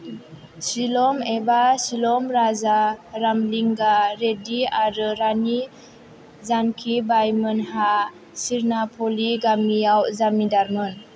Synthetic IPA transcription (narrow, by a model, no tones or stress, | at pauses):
silɔmebasilɔmɾazaɾamliŋɡaɾediaɾəɾani | zankʰibajmənha | siɾnapʰoliɡamijawzamidaɾmɔn